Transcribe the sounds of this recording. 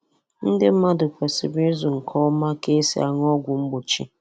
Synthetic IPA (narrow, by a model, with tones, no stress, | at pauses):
n̩˦dɪ˦m̩˦ma˦dʊ˨kʷe˨sɪ˨be˦zʊ˨ŋ̩˨kʰɔ˦ma˦ke˦sḭ˦a̰˨ŋ˦ɔ˦ɡʷʊ˨ŋ͡m̩˦ɡ͡bʊ˨t͡ʃḭ˦